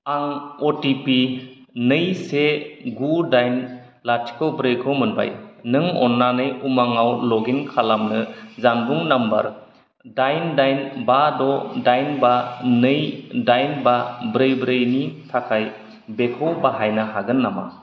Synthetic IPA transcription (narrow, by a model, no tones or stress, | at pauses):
aŋɔtipinɯjseɡudajn | latʰi̥kʰɔwbɾɯjkʰɔmɯnba̰jnɯŋɔ̰nːanɯjumaŋawlɔɡiŋkʰalamnɯzanbuŋnambɐ̰ɾ | dajndajnbadɔdajnbanɯjdajnbabɾɯjbɾɯjnitʰakʰaj | bekʰɔwbaɦajnaɦaɡɯnːama̰